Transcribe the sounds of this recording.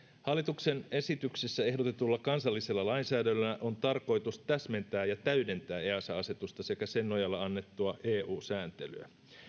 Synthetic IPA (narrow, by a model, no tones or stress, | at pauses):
hɑlːit̪ukse̞ne̞sit̪yksesːæe̞ɦdo̞t̪et̪ulːɑkɑnsɑlːiselːɑlɑinsæːdælːææʔo̞nt̪ɑrko̞jt̪ust̪æsme̞nt̪æːjɑt̪æyde̞nt̪æːeːɑsɑɑse̞t̪ust̪ɑse̞kæse̞nːojɑlːɑɑnːe̞t̪ːuɑʔeːʔuːsæːnt̪e̞ly̰æ̰